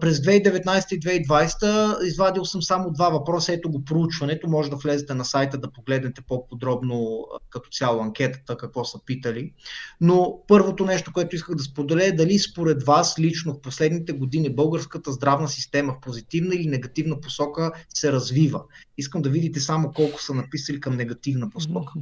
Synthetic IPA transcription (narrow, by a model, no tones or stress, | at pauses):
pɾɛzd̪vɛid̪ɛvɛt̪najsɛ̥t̪əid̪vɛid̪vajsɛ̥t̪əizvad̪ilˠsəmsamod̪vavɐpɾɔsəɛt̪oɡopɾout͡ʃvɐnɛt̪omɔʒɛd̪ɐflɛzɛt̪ɛnɐsajt̪əd̪ɐpoɡlɛd̪nɛt̪ɛpopod̪ɾɔbnokɐt̪ɔ̥sʲjalˠoɐŋk̟ʲɛt̪ə̥t̪əkɐkvɔsəpit̪əlinopɤɾvot̪onɛʃt̪okoɛt̪ʊiskəɣd̪ɐspod̪ɛlɛːd̪ɐlispoɾɛd̪vaslit͡ʃnofposlɛd̪nit̪ɛɡod̪inibɤlˠɡəɾskət̪əzd̪ɾavnəsist̪ɛməfpozit̪ivnəilinɛɡɐt̪ivnəposɔkəsɛɾɐzvivə | iskəmd̪ɐvid̪it̪ɛsamokɔlˠkʊ̥sɐnɐpisəlikɐmnɛɡɐt̪ivnəposkɔkə̥